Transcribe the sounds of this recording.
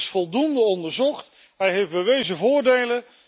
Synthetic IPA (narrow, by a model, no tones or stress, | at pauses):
sfɔlˠdundəɔndəɹzɔχt | ɦɛjɦejfbəʋejzəvʊːɹdejlə